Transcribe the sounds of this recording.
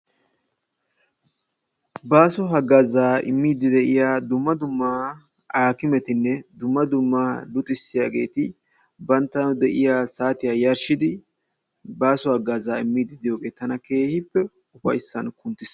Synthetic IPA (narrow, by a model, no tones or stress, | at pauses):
baːsɔɦɐɡazaːɪ̰mːiːd̪ɪd̪ɛʔɪjaːd̪ʊmːɐd̪ʊmːaː | aːkɪmɛt̪ɪnːɛd̪ʊmːɐd̪ʊmːaːlʊt̪ʼɪsːɪjaːɡe̞ːt̪ɪ | bɐnt̪ːɐnʊd̪ɛʔɪjaːsaːt̪ɪjaːjɐɾʃɪd̪ɪ | baːsɔhɐɡːaːzaːɪmːiːd̪ɪd̪ɪjo̞ːɡe̞ːt̪ɐnɐke̞ːhɪpːɛ | ʊfɐ̰jsːɐnkʊnt̪ːɪs